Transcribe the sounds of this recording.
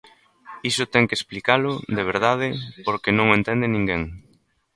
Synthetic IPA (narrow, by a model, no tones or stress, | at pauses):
isʊt̪ɛŋkesplikalʊðeβ̞eɾðað̞ɪpoɾkenõŋẽnt̪ɛnd̪ɪnĩŋɡeŋ